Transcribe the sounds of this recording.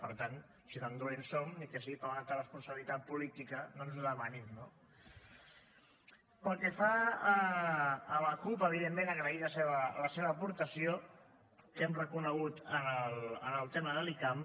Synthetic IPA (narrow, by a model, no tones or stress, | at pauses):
pəɾt̪an | sinamd̪ulensomnikɛs̬ipəat̪ərəspunsəβilit̪at̪̚pulit̪ikənonzuðəmanimno | pəlˠkefaəː | ləkupəβ̞iðemːẽnəɣɾəiləseβələseβəːpuɾt̪əsio | kɛmrəkunəɣut̪ənələnəlˠt̪eməðəlikam